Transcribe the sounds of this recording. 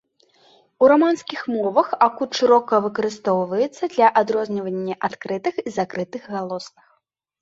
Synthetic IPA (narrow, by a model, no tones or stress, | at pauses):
uɾamanskʲixmɔvɐxakut̪ʂɨɾɔkɐvɨkɐɾɨst̪ɔwvɐjɛt̪sːɐd̪lʲɐʔad̪ɾɔzʲnʲɐvɐnʲːɐʔat̪kɾɨt̪ɨxizakɾɨt̪ɨɣɣalˠɔsnɨx